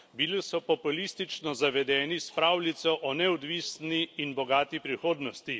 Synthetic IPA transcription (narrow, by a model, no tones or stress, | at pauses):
bilisɔpɔpulist̪it͡ʃnɔzaʋɛd̪ɛːnispɾaːwlit̪sɔʔɔnɛɔd̪ʋiːsniːnbɔɡaːt̪ipɾixoːd̪nɔst̪i